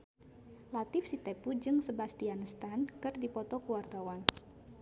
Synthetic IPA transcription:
lat̪ɪfsit̪epud͡ʒɨŋsəbast̪ianəst̪ankɨrdipɔt̪ɔkəwart̪awan

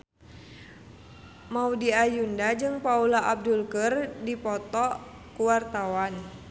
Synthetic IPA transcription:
maudiajundad͡ʒɨŋpaulaʔab̚dulkərdipɔt̪ɔ | kuwart̪awan

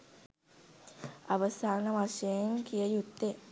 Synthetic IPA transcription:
aʋəsaːnəʋaʃejeŋkijəjut̪ːe

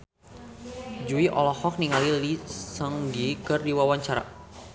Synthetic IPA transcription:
d͡ʒuiʔɔ̰lɔhɔk̚niŋalilisəŋɡikɨrdiwawaɲt͡ʃaɾa̰

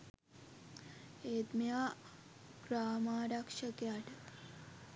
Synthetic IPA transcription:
eːt̪mja | ɡ̥ɾaːmaːɾɐkʂəkjaʈ

